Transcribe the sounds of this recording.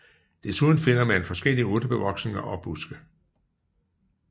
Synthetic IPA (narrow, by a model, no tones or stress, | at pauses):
d̥e̝suðˠn̩fe̝n̰ɐmænfɒ̽sɡ̥el̰iəo̽ːd̥əb̥e̝ʋɒ̽ɡ̥sne̝ŋɐʔɒ̽b̥usɡ̥ə